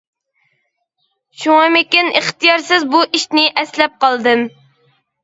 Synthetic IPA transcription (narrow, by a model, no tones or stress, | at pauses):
ʃuŋɑmɪkʲɪnʔeχt̪ijɑɾsɪzbuʔiʃnɪʔɛslɛp̚qɑlˠd̪ɨm